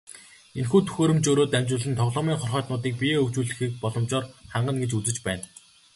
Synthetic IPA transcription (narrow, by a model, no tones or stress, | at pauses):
enxuːt̪ʰu̥xoːɾɵ̆mt͡ɕoːɾoːt̪æmt͡ɕʊːɮɘ̆nt̪ʰɔʁɮɔːmiːŋχɔrχœːt̪nʊːt̪iːk̚pʲiɵwt͡ɕuːɮɘ̆xiːk̚pɔɮɞ̆mt͡ɕɔːrχaɴɢə̆nɡet͡ɕut͡sɘ̆t͡ɕpæːn